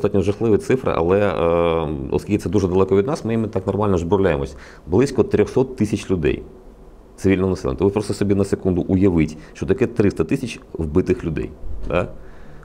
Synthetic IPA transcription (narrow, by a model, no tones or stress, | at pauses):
st̪ɑtʲnʲɔʒɐxlˠɪʋɪt̪sɪfɾɪ̰ʔɐ̰lˠɛ | ɔ̰sʲkilʲkʲɪt̪ɛd̪uʒɛd̪ɐlˠɛkɔʋʲid̪nɑsmɪjimɪt̪ɑknɔrmɑlʲnɔzbɾɔwlʲajemɔsʲɐ | blˠɪsʲkɔt̪ɾʲɔxsɔt̪ːɪsʲɐt͡ʃlʲʊd̪ɛ̰j | t̪sɪʋʲilʲnɔɦɔnɐsɛl̰ʲˠnʲt̪ɛʋɪpɾɔst̪ɔsɔbʲinɐsekund̪ʊʔʊjɐʋɪtʲʃt͡ʃɔt̪ɐkɛt̪ɾɪst̪ɐt̪ɪsʲɐt͡ʃwbɪt̪ɪxlʲʊd̪ɛ̰jd̪a̰